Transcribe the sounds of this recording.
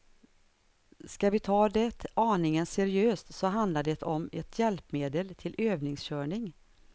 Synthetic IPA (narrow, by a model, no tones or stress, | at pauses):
skavɪt̪ʰɑːd̪ɛt̪ɑːɳɪŋənsɛɾɪøːst̪sɔɦand̪laɖ̪ɛt̪ɔmɛt̪ʰjɛlpmeːd̪əlt̪ʰɪlʔøːvnɪŋsɕœːɳɪŋ